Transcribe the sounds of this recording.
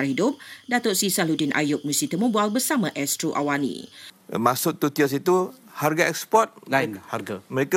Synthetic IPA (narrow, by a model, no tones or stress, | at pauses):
arɦidʊp̚dat̪oʔsisaludinʔa̰jʊk̚musit̪əmobalbərsamãʔɛstɾoʔa̰wanḭ̃masʊt̪ːut̪iasit̪uharɡaɛkspɔt̪̚ahaɡaməɾeka